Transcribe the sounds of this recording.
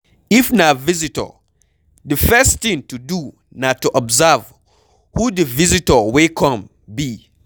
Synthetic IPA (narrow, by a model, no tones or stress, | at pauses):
ifnavizitə̰ | dəfɛsθĩŋtudu | natuʔɔbzav | hudəvizitəwekʰɔ̃m | bi